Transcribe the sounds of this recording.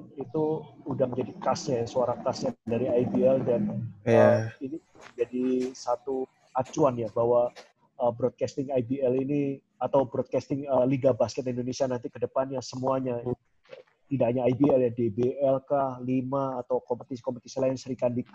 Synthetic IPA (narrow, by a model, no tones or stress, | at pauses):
it̪uudahmd͡ʒadikasɲajasoaɾakasɲadaɾiaibiɛldanəini | d͡ʒadisat̪u | at͡ʃuanjabaɦwa | əbɾɔd̪̚kast̪ɪŋajbiɛlini | at̪awbɾɔd̪̚kast̪ɪŋəliɡabaskɛt̪indonesianant̪ikədəpanjasəmuaɲa | t̪idaɲaːibiɛljadebeɛlkahlimaːt̪awkɔmpət̪isi̥kɔmpət̪isilaɪnsəɾikandik